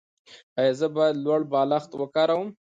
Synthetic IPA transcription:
ajɑzəbalwaɽbɑlaxt̪wəkɑɾawəm

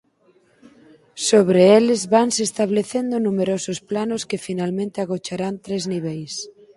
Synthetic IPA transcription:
soβɾeelezβansest̪aβ̞leθend̪ʊnũmeɾosʊsplanoskɪfinalmẽnt̪ɪaɣot͡ʃaɾant̪ɾezniβ̞ejs

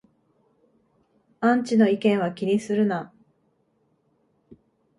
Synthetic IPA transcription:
ãɲt͡ɕino̞ikẽ̞ɰ̃βakʲiɲ̟isɨɾɯ̟na

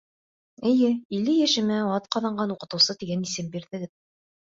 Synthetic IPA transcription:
ɘ̆jɘilːɘjæʃɘ̆mæɑt̪̚qɑðɑɴɢɑnuqɤ̆t̪ɤ̆wsɤt̪iɡænisɘmbiɾðɘ̆ɡɘ

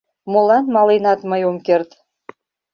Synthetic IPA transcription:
molɑnmɑlenɑt̪məjomkert̪

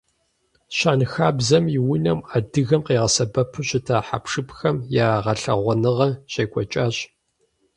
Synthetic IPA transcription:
ɕaːnxaːbzɐmjɪwinɐmaːdɨɣɐmqeːʁɐsɐbɐpʰɨɕɪtʰaːħa̰pʂɨpxɐmjaːʁɐɬɐ̰ʁʷɔnɨʁɐɕeːkʷʼɔt͡ʃʼaːɕ

